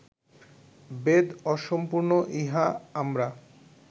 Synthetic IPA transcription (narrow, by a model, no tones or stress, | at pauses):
bed̪ɔʃompuɾnoʔiɦaamɾa